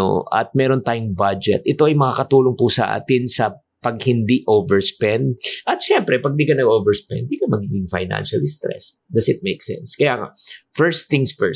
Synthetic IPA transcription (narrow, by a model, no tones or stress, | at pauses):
o̰ʔɐ̰t̪̚mɛːɾo̞nt̪aːjʊŋbad͡ʒɛ̰t̪ʔɛt̪o̞ʔɐjmɐŋakɐt̪uːloŋpʊsɐʔa̰ːt̪ɪnsɐ | pɐɡ̚hɪnd̪iʔoːvɛɹspɛnd̪̚ʔɐt̪̚ʃɛmpɾɛpɐɡ̚d̪iːkɐnɐɡoːvɛɹspɛ̰nd̪̚d̪iːkɐmɐɡiːɡɪŋfɐ̰jna̰nʃɐ̰lst̪ɾɛ̰s | d̪ɐsɪt̪̚mejksɛ̰nskɐjaːŋa̰fɛɹsθɪŋsfɛ